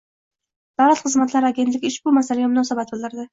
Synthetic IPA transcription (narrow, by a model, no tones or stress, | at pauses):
d̪̥awlat̪χɨzmat̪ʰlaɾaɡʲe̞nt̪lʲɪkʲɪʃbʊmasalɪɡʲamʊnɒsabat̪̚bɨlˠɪɾd̪ɪ